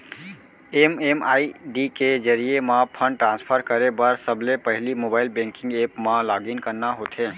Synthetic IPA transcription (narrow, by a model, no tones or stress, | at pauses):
ememaiɖiked͡ʒəɾijemãpʰəɳɖ̚ʈɾãnspʰəɾkəɾebəɾsəblepəɦlimobaːilbẽŋkɪ̃ŋɡepmãlaɡinkəɾnaɦot̪ʰɦẽ